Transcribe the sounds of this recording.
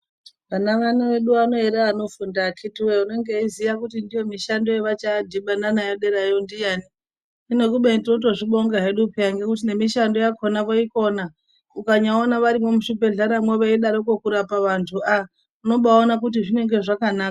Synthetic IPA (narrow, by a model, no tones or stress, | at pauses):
ʋanaʋanaʋe̞ɗuano̞eɾeano̞fundakʰitiweune̞ŋɡeizijakutindijo̞miʃando̞eʋat͡ʃadʱiɓananajoɗeɾajondijani | ino̞kuɓentinot̬o̞ʐiɓo̞ŋɡaɦeɗupejaŋɡe̞kutine̞miʃando̞jakʰonakoiko̞na | ukaɲaonaʋaɾimomuʃipe̞ɮaɾamweʋeiɗaɾokokuɾapaʋantʰua | uno̞ɓaonakutiʐine̞ŋɡe̞ʐakanaːka